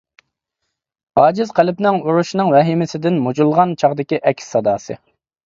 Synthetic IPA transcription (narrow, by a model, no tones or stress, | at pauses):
ɑːd͡ʒɪzqʰælɪpnɪŋuɾuʃnɨŋwɛɦimɪsɪd̪ɪnmud͡ʒulˠʁɑnt͡ʃʰɑʁd̪ɪkʲiʔɛkʲsːɑd̪ɑːsɨ̰